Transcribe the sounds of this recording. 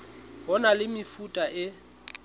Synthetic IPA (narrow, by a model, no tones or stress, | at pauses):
ɦɔnalɪmɪfutʼaʔɪ